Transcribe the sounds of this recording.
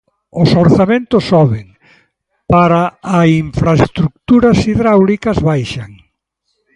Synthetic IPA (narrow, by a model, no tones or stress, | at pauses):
ʊsoɾθamẽnt̪ʊsɔβeŋ | paɾaaiɱfɾaest̪ɾuk̚t̪uɾɐsiðɾawlikɐzβajʃaŋ